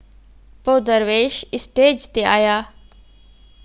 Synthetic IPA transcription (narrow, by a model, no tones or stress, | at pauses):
poːd̪əɾʋeːʃɪsʈeːd͡ʑt̪eaːjaː